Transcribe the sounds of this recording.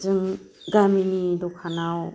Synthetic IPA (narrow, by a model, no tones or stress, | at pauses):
zɯŋ | ɡaminidɔkʰanaw